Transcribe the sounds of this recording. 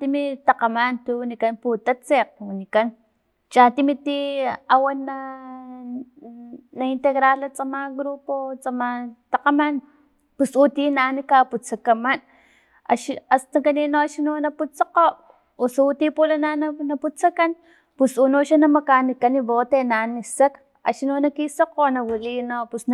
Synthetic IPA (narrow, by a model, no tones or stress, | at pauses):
t̪imit̪aqamant̪uwnikanput̪at͡seq̚wunikan | t͡ʃat̪imit̪iawana | naint̪eɣɾalat͡samaɡɾupot͡samat̪aqaman | pusut̪inanikaput͡sakaman | a̰ʃast̪aŋkaninoaʃinonaput͡saqoʔ | osaut̪ipulanananaput͡sakan | pusunoʃanamakanikaniβot̪enanisak | a̰ʃinonakisoqonawilinopusn